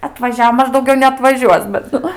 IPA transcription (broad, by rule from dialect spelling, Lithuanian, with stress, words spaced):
ɐtʋɐˈʒʲæːʋoː ˈmɐʃ dɐʊˈɡʲɛʊ nʲɛɐtʋɐˈʒʲuɔs bʲɛt ˈnʊ